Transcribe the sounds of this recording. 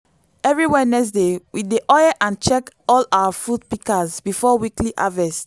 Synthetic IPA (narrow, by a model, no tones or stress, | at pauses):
ɛvɹiwɛnɛks̬dewʔideʔɔjɛʔãnt͡ʃɛkɔlawafud̚pikazbifɔwikliʔavɛst